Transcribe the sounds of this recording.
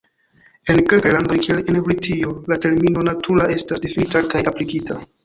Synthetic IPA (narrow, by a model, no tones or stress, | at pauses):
e̞nke̞lkajlando̞jkielenevɾitʰio̞late̞ɾmino̞natʰuɾaʔe̞stasdifinitakajaplikitʰa